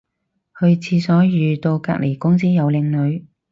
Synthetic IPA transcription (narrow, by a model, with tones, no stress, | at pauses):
hɵ˧ɥt͡sʰiː˧sɔː˨˥jyː˨˧t̪o˧wka̰ː˧k̚lʔe˨˩jkʊ˥ŋsiː˥jɐ˨˧wlɪ˧ŋlɵ˨˧ɥ